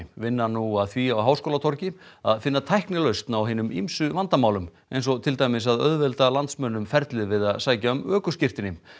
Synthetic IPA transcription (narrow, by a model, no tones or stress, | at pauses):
vɪnːanuaðθviawɦawskoːlat̪ʰɔɾcɪa̰ðfɪnːat̪ʰajhknɪlœɥst̪nawɦeːnʏmimsʏvant̪amaːwlʏm | ḛjnsɔt̪ʰɪlt̪aːjmɪs̬aðœ̰ðvɛlt̪alant̪smœnːʏmfɛɾt̪lɪðvɪðaðsaːjcaœmœːkʏscɪr̥t̪ɪnːɪm